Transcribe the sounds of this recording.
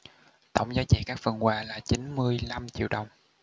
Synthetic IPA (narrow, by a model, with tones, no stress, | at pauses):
t̪ə̰˧˨wŋ͡mzaː˨˦wt͡ɕḭ˧˨˩kaː˦˥k̚və̰˧˩nkwaː˨˩laː˨˩t͡ɕi˨˦nmɨ˧əjla˧mt͡ɕḭ˧˨wɗə˨˩wŋ͡m